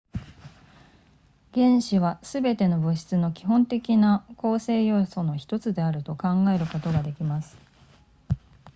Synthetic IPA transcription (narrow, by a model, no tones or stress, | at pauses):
ɡ̥ẽ̞ɰ̃ɕiβasɨbe̞t̪e̞no̞bɯ̟ɕi̥t͡sɨno̞kʲi̥ɦõ̞nt̪e̞kʲinako̞ːse̞ːjo̞ːso̞no̞çi̥t̪o̞t͡sɨd̪e̞aɾɯ̟t̪o̞kãŋɡae̞ɾɯ̟ko̞t̪o̞ɡad̪e̞kʲimasɨ̥